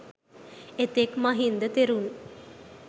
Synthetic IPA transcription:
et̪ekmaɦind̪ət̪eɾun

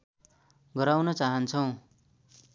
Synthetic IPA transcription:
ɡʌɾawnʌt͡saɦʌnt͡sʰʌw̃

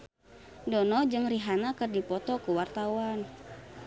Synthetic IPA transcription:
dɔnɔd͡ʒɨŋriɦanakɨrdipɔt̪ɔkuwart̪awan

